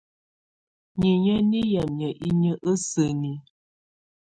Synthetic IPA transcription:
ɲi˨ɲə˦ni˦ja˨mɲə˨ʔi˦ɲə˦ʔə˦sə˨ni˨

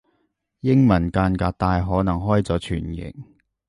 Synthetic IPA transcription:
jɪ˥ŋmɐ˨˩nkaː˧nkaː˧k̚t̪aː˧jɦɔː˨˥nɐ˨˩ŋɦɔː˥jt͡sɔː˨˥t͡ʃʰy̰ː˨˩njɪ̰˨˩ŋ̚

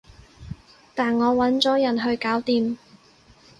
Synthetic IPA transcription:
t̪aː˨nŋɔː˨˧wɐ˨˥nt͡sɔː˨˥jɐ˨˩nɦɵ˧ɥkaː˨˥wt̪iː˧m

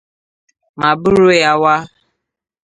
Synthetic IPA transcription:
ma˨bʊ˦ɾʊ˦ja˦wa˦

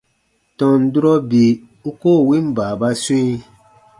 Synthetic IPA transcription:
tɔ̃˨n̩˨du˦ɾɔ˦bi˨ | u˦ko˦˨wĩ˦m̩˦baː˨ba˦˧sũ˦i˦

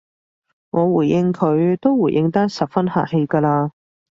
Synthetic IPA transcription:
ŋʔɔː˨˧wuː˨˩jjɪ˧ŋkʰɵ˨˧ɥt̪o˥wwu˨˩jʔɪ˧ŋt̪a˥sɐ˨p̚fɐ˥nha̰ː˨˩k̚he˧jkaː˧laː˧

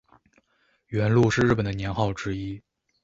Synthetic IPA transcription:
ɥɛ˧˥nlu˥˧ʂɻ̩˥˧ɻ̩˥˩pə˨˩nd̪ə˦njɛ˧˥nxɑ˥˩ʊʈ͡ʂɻ̩˥i˥

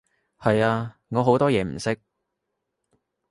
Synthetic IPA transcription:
hɐ˨jaː˧ŋɔː˨˧ɦo˨˥wt̪ɔː˥jɛː˨˧m̩˨˩sɪ˥k̚

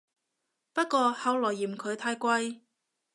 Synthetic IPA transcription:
pɐ˥t̚kɔː˧hɐ˨˧wlɔː˨˩jːiː˨˩mkʰɵ˨˧ɥt̪ʰaː˧jkʷɐ˧j

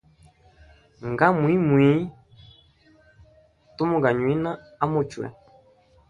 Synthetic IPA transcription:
ŋ˨ɡa˦mwi˦mwi˨˦ | tu˦mʊ˦ɡa˨ɲwi˦na˦ | a˦mo˦˨t͡ʃwɛ̰˨

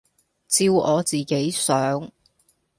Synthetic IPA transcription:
t͡siː˧wɔː˨˧t͡siː˨ke˨˥jsœː˨˥ŋ

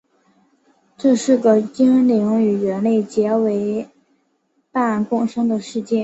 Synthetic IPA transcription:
ʈ͡ʂɤ˥˧ʂɻ̩˥˩ɡə˩t͡ɕi˥ŋli˧˥ŋy˨˩ɥɛ˧˥nle˥˩ɪt͡ɕjɛ˧˥we˧˥ɪ | pa˥˩nkʊ˥˧ŋʂɤ˥ŋd̪ə˨ʂɻ̩˥˧t͡ɕjɛ˥˩n

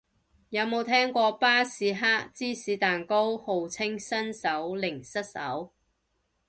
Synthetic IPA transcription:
jɐ˨˧˥wmo˨˧wt̪ʰɛː˥ŋkʷɔː˧paː˥siː˨˥ɦaː˥k̚t͡siː˥siː˨˥t̪aː˨nko˥who˨wt͡sʰɪ˥ŋsɐ˥nsɐ˨˥wlɪ˨˩ŋsɐ˥t̚sɐ̰˨˥w

